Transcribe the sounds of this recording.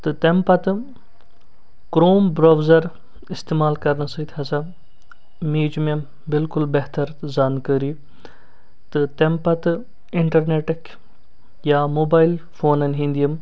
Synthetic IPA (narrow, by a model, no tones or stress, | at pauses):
t̪ɨt̪empɐt̪ɨ | kɾoːmbɾaːwzɐɾ | ɪst̪eːmaːlkɐɾnɐsət̪ʰʲhɐsɐ | miːd͡ʒme | bɪlkʊlbeɦt̪ɐɾzaːnkəɾiː | t̪ɨt̪empɐt̪ɨ | ɪɳʈɐɾneːʈɐkʰ | jaːmoːbaːil | fʰoːnɐnɦĩnd̪iɐm